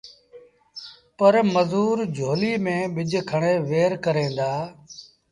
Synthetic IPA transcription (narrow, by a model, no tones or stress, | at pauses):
pəɾməzuːɾd͡ʒʱoːliːmẽːɓɪd͡ʒʱkʰəɳeːʋeːɾkəɾẽːnd̪aː